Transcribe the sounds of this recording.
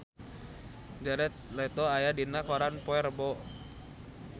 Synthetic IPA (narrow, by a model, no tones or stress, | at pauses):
d͡ʒaɾɛt̪̚lɛt̪oajadinakɔɾanpɔɛrbɔ